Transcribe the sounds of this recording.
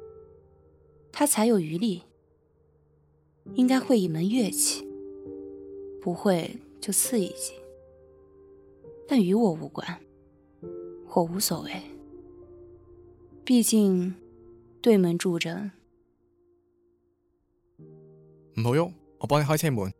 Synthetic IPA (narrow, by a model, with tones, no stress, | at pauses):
t̪ʰa˥t͡sʰa˧˥ɪjo˨˩ʊy˧˥li˥˩ | i˥ŋka˥ɪxwe˥˩ɪi˨˩mə˧˥nɥɛ˥˩t͡ɕʰi̥˨˦ | pu˧˥xwe˥˧ɪt͡ɕjo˥˧ʊt͡sʰɹ̩˥˩ḭ˨˩t͡ɕi̥˨˩˦ | t̪a˥˩ny˧˥wɔ˨˩u˧˥kwa̰˨˩˦n | xwɔ˥˩u˧˥swɔ˨˩we˥˩ɪ | pi˥˧t͡ɕi˥˧ŋ | t̪we˥˩ɪmə˧˥nʈ͡ʂu˥˩ʈ͡ʂə˥ŋ | m̩˨pʰɤ˧˥ŋjo˥˩ŋ˨˩ | pɑ˥ni˧˩˥ɛ˥˩˥mu˨˧˦